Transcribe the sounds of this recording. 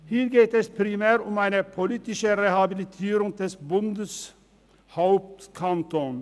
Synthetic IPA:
hiːɾɡeːt̪ɛspʰɾɪmæːɾʊmæɪnəpʰɔliːt̪ɪʃəɾehɑbɪlɪt̪ʰiːɾʊŋd̪ɛsbʊnd̪əs | haʊp̚t̪kʰant̪oːn

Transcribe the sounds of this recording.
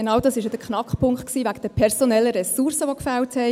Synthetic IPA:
enɑʊdɑsɪʃjəd̥̪əkχnɑkχpʰʊŋkχtksiːvæɡəd̥əpʰɛɾsonɛlːəɾɛsuɾsəʋokfælthɛ

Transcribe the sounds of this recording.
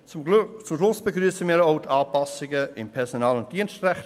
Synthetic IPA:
t͡sʊmʃlʊsb̥əɡryːəsəmiːɾoʊtʰaːpɑsɪɡəɪmpʰɛʁsonɑːlʊntd̥iənstrɛχt

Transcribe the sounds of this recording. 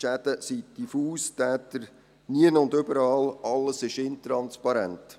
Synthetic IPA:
ʃæd̥̪əsid̥ifuːstæːtəɾ | niənʊndʏbəɾɑːlɑlːəsɪʃɪntɾɑnspɑɾæ̰nt

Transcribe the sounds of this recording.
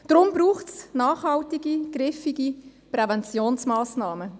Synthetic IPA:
d̥ɾʊmbɾuːχtsnɑːχhɑltiɡiɡ̥ɾɪfiɡipɾɛvɛnt͡sjoːnsmaːsnɑːmə

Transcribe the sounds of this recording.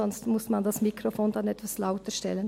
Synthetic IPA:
ɔnstmʊsmandasmikʁofoːndanɛtv̥aslaʊtəʃtɛlən

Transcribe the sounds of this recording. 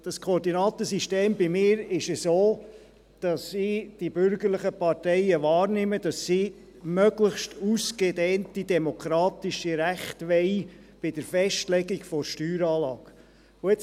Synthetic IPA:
d̥ɑskʰoːɾdinɑːt̪əsiʃteːmbimɪːɾɪʃəsoː | d̥ɑsiːd̥ibʏɾɡəɾləχəpɑɾtɛɪəʋɑːɾnɪməd̥ɑsːiː | mœɡləχʃtusɡɛdɛːntidɛmɔkʰɾɑːtiʃiɾæχtʋɛɪj | b̥ɪd̥əɾfɛʃtlɛɡiɡfɔɾʃtyːɾɑːlɑ̰ːɡ̥ | ʊɛt͡s

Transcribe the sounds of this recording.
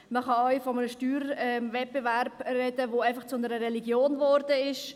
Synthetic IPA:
məχɑɔʏfɔmənəʃtyːɾɛmvɛt̚b̥evɛɾb̥rɛdəʋoaɪfɑχt͡sʊnəɾəɾɛliɡjoːnvɔɾdəɪʃ

